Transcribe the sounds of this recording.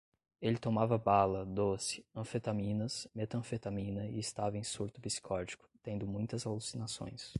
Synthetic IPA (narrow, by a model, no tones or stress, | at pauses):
elɪt̪omavɐbalɐd̪osɪ̥ɐ̃fet̪amĩnɐsmet̪ɐ̃fet̪amĩnɐɪɪst̪avɐẽj̃suɾt̪ʊbisi̥kʰɔɾd͡ʒikʊ̥t̪ẽnd̪ʊmũj̃t̪ɐzalusinasõ̰j̃s